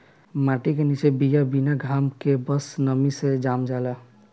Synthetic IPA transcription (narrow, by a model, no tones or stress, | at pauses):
maʈikenit͡ʃebijabinaɡʱaːmkebəsnəmised͡ʒamd͡ʒala